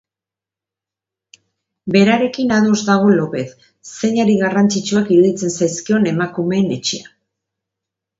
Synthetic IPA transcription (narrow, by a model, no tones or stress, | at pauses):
be̞ɾaɾe̞kinaðuzd̪aɣ̞olo̞pe̞θ | se̞ɲaɾiɣarant͡sit͡ʃuakiɾuðit͡se̞nsajskio̞ne̞makume̞ːne̞t͡ʃea